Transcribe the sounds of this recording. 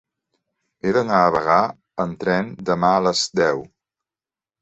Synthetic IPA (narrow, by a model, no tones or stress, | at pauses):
eðənaəβəɣa | ənt̪ɾɛnd̪əmaələzd̪ɛw